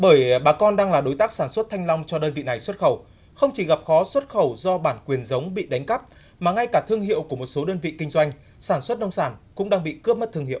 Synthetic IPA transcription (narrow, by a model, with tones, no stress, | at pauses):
ɓəː˧˩jɓaː˨˩kɔ˧nɗaː˧ŋlaː˨˩ɗo˨˦jt̪aː˦˥k̚saː˧˩nswə˦˥t̚t̪ʰa˧jŋ̟la˧wŋ͡mt͡ɕɔ˧ɗəː˧nvḭ˧˨na˨˩jswə˦˥t̚xə˧˩w | xə˧wŋ͡mt͡ɕi˧˩ɣa˨˩p̚xɔ˨˦swə˦˥t̚xə˧˩wzɔ˧ɓaː˧˩nkwi˨˩ənzə˨˦wŋ͡mɓḭ˧˨ɗa˨˦jŋ̟ka˦˥p̚ | maː˨˩ŋa˧jkaː˧˩t̪ʰɨ˧əŋɦḭ˧əwku˧˩əmo˨˩t̚so˨˦ɗəː˧nvḭ˧˨kï˧ŋ̟zwa˧jŋ̟ | saː˧˩nswə˦˥t̚nə˧wŋ͡msaː˧˩nkʊ̰˧˥ŋ͡mɗaː˧ŋɓḭ˧˨kɨ˦˥əp̚m˦˥t̚t̪ʰɨ˧ŋhḭ˧˨